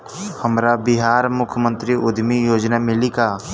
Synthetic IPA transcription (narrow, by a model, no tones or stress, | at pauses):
həmɾabɪɦaːɾmʊkʰjmə̃nt̪ɾiʔʊd̪ʱmijoːd͡ʒnamɪlikaː